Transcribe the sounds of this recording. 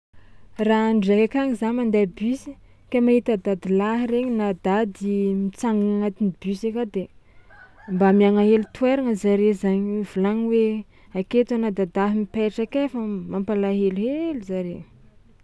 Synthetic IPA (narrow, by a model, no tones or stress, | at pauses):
raɳɖ͡ʐakakaɲizaɲmand̪abysi̥ | kamaɦit̪ad̪ad̪ilaɦireɲinad̪ad̪imit͡saŋɡaŋaŋat̪inibysekad̪e | mbamiaŋaɦelut̪weɾaŋəzaɾezaɲvulaɲwe | aket̪anad̪ad̪aɦimipeʈ͡ʂakefəmampalaɦeluɦeluzaɾe